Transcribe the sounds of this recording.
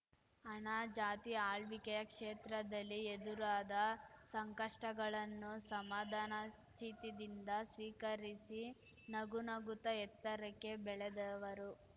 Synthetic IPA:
ɐɳad͡ʒaːt̪iaːɭʋikɛjɐkʂeːt̪ɾɐd̪ɐlːied̪uɾaːd̪ɐsɐŋkɐʂʈɐɡɐɭɐnːusɐmaːd̪ʱaːnɐ | t͡ʃiːt̪id̪ind̪ɐsʋiːkɐɾisi | nɐɡunɐɡut̪ɐɛt̪ːɐɾɐkːe̞bɛɭed̪ɐʋɐɾu

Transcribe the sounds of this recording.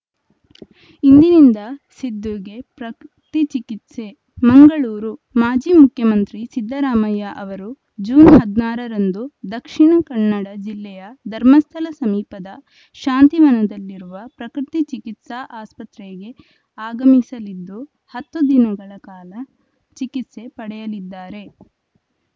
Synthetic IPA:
ind̪inind̪ɐsid̪ʱːuɡe̞pɾɐkɾ | t̪it͡ʃikit̪se̞ | mɐŋɡɐɭuːɾumaːd͡ʒiːmukʰjɐmɐnt̪ɾisid̪ʱːɐɾaːmɐjaʔɐʋɐɾu | d͡ʒuːnɦɐd̪naːɾɐɾɐnd̪ud̪ɐkʂiɳɐkɐɳːɐɽɐd͡ʒilːɛjɐd̪ʱɐɾmɐst̪ʰɐlɐsɐmiːpɐd̪ɐ | ʃaːnt̪iʋɐnɐd̪ɐlːiɾuʋɐpɾɐkɾit̪it͡ʃikit̪saʔaːspɐt̪ɾeɡe̞ | aːɡɐmisɐlid̪ːu | hɐt̪ːud̪inɐɡɐɭɐkaːlɐ | t͡ʃikit̪se̞pɐɽɛjɐlid̪ːaːɾe̞

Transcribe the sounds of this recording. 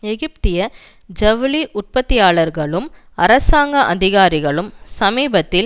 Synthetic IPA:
ɛɣɪp̚t̪ɪjɐ | d͡ʒɐʋɪliʔʊʈ̚pɐt̪ːɪjaːɭɐɾɣɐɭɯm | ɐɾɐsaːŋɡɐʔɐðɪɣaːɾɪɣɐɭɯmsɐmiːbɐt̪ːɪl

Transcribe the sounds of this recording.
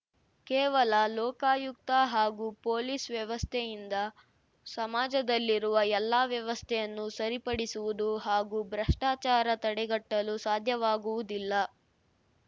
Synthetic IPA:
kɛːʋɐlɐlɔːkaːjuk̚t̪ɐɦaːɡupoːlisʋjɐʋɐst̪ʰɛjind̪ɐ | sɐmaːd͡ʒɐd̪ɐlːiɾuʋɐɛlːaːʋjɐʋɐst̪ʰɛjɐnːusɐɾipɐɽisuʋud̪uɦaːɡubɾɐʂʈaːt͡ʃaːɾɐt̪ɐɽɛɡɐʈːɐlusaːd̪ʱjɐʋaːɡuʋud̪ilːɐ

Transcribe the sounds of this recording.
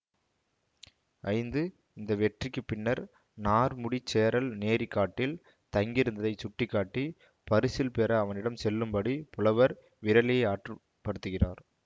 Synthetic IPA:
ʔɐɪnd̪ɯ | ɪnd̪ɐʋɛʈrɪkːɯpɪnːɐɾ | naːɾmʊɽit͡ʃːeːɾɐlneːɾikːaːʈːɪl | t̪ɐŋɡɪɾɯnd̪ɐðɐɪt͡ʃʊʈːɪkːaːʈːi | pɐɾɯsɪlpɛɾɐːʋɐnɪɽɐmsɛlːɯmbɐɽipʊlɐʋɐɾ | ʋɪɾɐlɪjɐɪaːʈrɯ | pːɐɽɯt̪ːɯɣɪraːɾ

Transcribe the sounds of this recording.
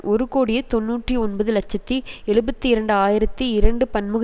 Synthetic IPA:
ʔɔɾɯkoːɽɪjɐt̪ɔnːuːʈriɔnbɐðɯlɐt͡ʃːɐt̪ːiɛɻɯbɐt̪ːiɪɾɐɳɖɯaːjɪɾɐt̪ːiɪɾɐɳɖɯpɐnmɯɣɐ

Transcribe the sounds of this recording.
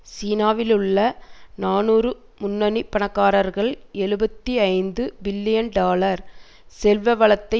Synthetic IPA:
siːnaːʋɪlɯɭːɐnaːnuːɾɯ | mʊnːɐnipɐɳɐkːaːɾɐɾɣɐɭɛɻɯbɐt̪ːiɐɪnd̪ɯbɪlːɪjɐnɖaːlɐɾ | sɛlʋɐʋɐɭɐt̪ːɐɪ

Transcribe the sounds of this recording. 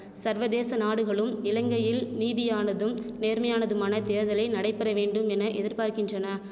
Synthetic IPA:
sɐɾʋɐðeːsɐnaːɽɯɣɐɭɯmɪlɐŋɡɐjɪlniːðɪjaːnɐðɯmneːɾmɐjaːnɐðɯmaːnɐt̪eːɾðɐlɐɪnɐɽɐɪpːɛɾɐʋeːɳɖɯmɛnɐʔɛðɪɾpaːɾkɪndrɐnɐ

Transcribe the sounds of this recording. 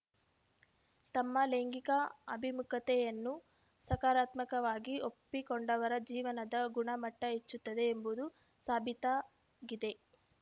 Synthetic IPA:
t̪ɐmːɐleŋɡikɐɐbʱimukʰɐt̪ɛjɐnːu | sɐkaːɾaːt̪mɐkɐʋaːɡiopːikoɳɖɐʋɐɾɐd͡ʒiːʋɐnɐd̪ɐɡuɳɐmɐʈːɐet͡ʃːut̪ːɐd̪e̞ːmbud̪u | saːbʱit̪a | ɡid̪e̞

